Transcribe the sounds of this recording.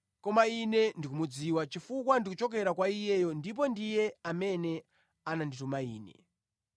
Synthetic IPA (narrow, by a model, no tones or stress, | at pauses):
kɔmainɛndikumud͡ziwat͡ʃifukwandikut͡ʃɔk̬ɛɾakwaijɛjɔndip̬ɔndijɛamɛnɛ | ananditumaiːnɛ̰